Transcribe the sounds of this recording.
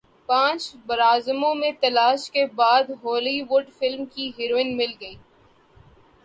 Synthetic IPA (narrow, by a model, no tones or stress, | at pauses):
pãːt͡ʃbɐɾaːzmõmẽt̪ɐlaːʃkebaːd̪ɦoːliʋʊɖfɪlmkiɦɪɾoːɪ̃ŋmɪlɡɐiː